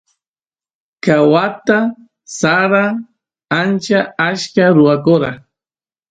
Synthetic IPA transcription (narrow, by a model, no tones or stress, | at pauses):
kawat̪a | saɾa | ant͡ʃaaʃkaɾʊwakoɾa